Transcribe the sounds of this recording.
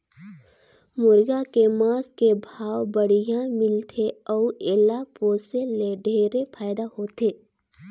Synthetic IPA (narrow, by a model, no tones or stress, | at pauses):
mʊɾɡakemaːskebʱaːwbəɽijãmɪlt̪ʰeɔːeːlapoːseleɖʱeːɾepʰaːjd̪aɦoːt̪eː